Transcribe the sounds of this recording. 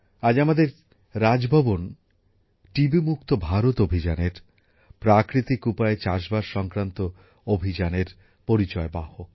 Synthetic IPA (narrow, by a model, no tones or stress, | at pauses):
ad͡ʑamad̪eɾ | ɾad͡ʑbʱabon | ʈibimukt̪obʱaɾot̪obʱid͡ʑaneɾ | pɾakɾit̪ikupaet͡ɕaʃbaɾʃɔŋkɾant̪o | obʱid͡ʑaneɾ | poɾit͡ɕɔebaho